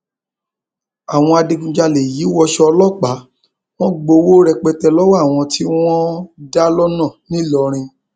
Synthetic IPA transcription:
a˨w̃ɔ̃˧a˧de˧ɡũ˧˨d͡ʒa˧le˨ji˨˦wɔ˧ʃɛ˧ɔ˧lɔ˦˨k͡pa˨˦ | w̃ɔ̃˦ɡ͡bo˧wo˦ɾɛ˧k͡pɛ˧tɛ˧lɔ˦ww̃ɔ̃˧tʰi˦w̃ɔ̃˦da˦lɔ˦nã˦˨nĩ˦lɔ˧ɾ̃ĩ˧

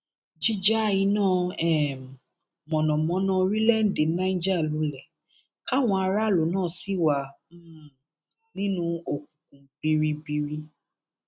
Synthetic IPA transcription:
d͡ʒi˦d͡ʒa˦i˧nãː˦˨ɛ˨m˨ | mɔ̃˨nɔ̃˨mɔ̃˨˦nã˧˦˧ɾi˦lɛ˦˨n̩˨de˨˦nã˦d͡ʒa˦˨lu˨˦lɛ˨ | ka˦˨w̃ɔ̃˧a˧ɾa˦˨lo˨˦nãː˦˨si˨˦˨wa˧˦m̩˦ | nĩ˦nũ˧o˨kũ˨kũ˨b̥i˧ɾi˧bi˧ɾi˧

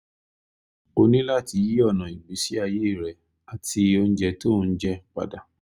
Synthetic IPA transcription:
o˧nĩ˦la˦˨ti˧˦ji˦ɔ˦˨nã˨i˨ɡ͡bi˨˦si˦a˦˧˨je˦˨ɾɛ˨ | a˨tʰi˧o˧ñ̩˦d͡ʒɛ˧to˦˧˦d͡ʒɛ˧k͡pa̰˨da˨˦

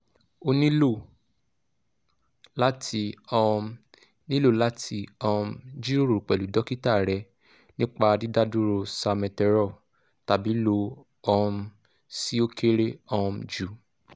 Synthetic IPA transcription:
o˧nĩ˦lo˦˨ | la˦ti˧ɔ˧ | nĩ˦lo˦˨la˦tʰi˧ɔ˧md͡ʒi˦o˦ɾo˨k͡pɛ˨lu˨˦dɔ˦ki˦ta˦˨ɾɛ˧˨ | nĩ˦k͡pa˧di˦da˦du˦ɾo˧sa˧mɛ̃˧tɛ˧˦ɾɔ˦˨ | ta˨bi˨˦lo˧˦ | ɔ˧ | si˦o˦kʰe˦ɾe˦ɔ˧md͡ʒu˨˦

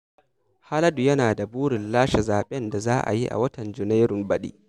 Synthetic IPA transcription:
ha˦lɐ˦du˨jɐ˦naː˨da˨buː˦ɽɪ˨nlaː˦ʃɛ˨zaː˨ɓɛ˦nda˨zaː˦ʔa̰˨ji˦ʔa̰˨wɐ˦tɐ˨nd͡ʒʊ˨na˦ɾʊ˨mbɐ˦ɗḭː˦

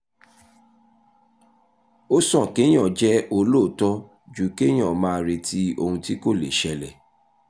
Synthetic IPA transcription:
o˦sɔ̃˦˨ke˨˦j̃ɔ̃˦˨d͡ʒɛ˦o˧lo˦˨tɔ˦ | d͡ʒu˨˦ke˦j̃ɔ̃˦˨mãː˦˧ɾe˧tʰi˦o˧hũ˧ti˦ko˦˨le˨ʃɛ˧lɛ˨

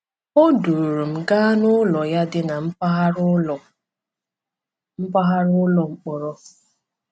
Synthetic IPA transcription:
o˦du˨ɾu˨m̩˨ɡa˦nʊ˦lɔ˨ja˦dɪ˦na˨m̩˦pa˦ɦ | m̩˦pa˦ɦa˦ɾʊ˦lɔ˨ŋ͡m̩˨k͡pɔ˨ɾɔ˦

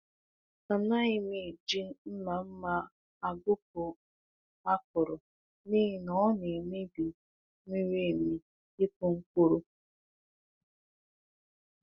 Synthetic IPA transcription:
a˨na˦ɪ˦mi˨d͡ʒi˦n˦m̩˦ma˨m̩˦ma˦ | a˨ɡʊ˦p̚ʊ˨ | a˦kʊ˨ɾʊ˨ | niː˦i˨nɔ˨˦ne˨me˦bi˨ | mi˦ɾi˦˨mi˨ | i˦kʊ˦ŋ̩˦kʷu˦ɾu˦

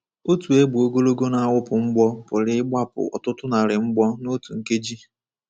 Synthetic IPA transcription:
o˦tu˨e˦ɡ͡bu˨o˦ɡo˦lo˦ɡo˦na˨a˦wʊ˦pʊ˨ŋ͡m̩˦ɡ͡bɔ˦pʊ˨ɾɪ˦ɪ˦ɡ͡ba˦pʊ̰˨ɔ̰˨tʊ˦tʊ˦na˨ɾɪ˨ŋ͡m̩˦ɡ͡bɔ˦no˦tu˨ŋ̩˨ke˦d͡ʒi˦

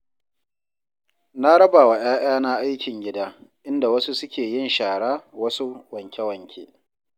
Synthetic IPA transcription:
na˦ɽɐ˦baː˨wa˨j̰aː˦j̰aː˦na˦ʔa˦jkʲɪ˨ŋɡʲɪ˦daː˦ʔɪ˦nda˨wɐ˦su˦sʊ˦kʲeː˨jɪ˦nʃaː˨ɽaː˦wɐ˦su˦wɐ˨ŋkʲe˦wɐ˨ŋkʲʰḛː˦

